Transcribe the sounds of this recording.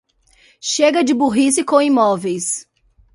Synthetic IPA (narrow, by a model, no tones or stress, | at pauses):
ʃeɡɐd͡ʒɪbuɦisɪkõw̃ĩmɔvejs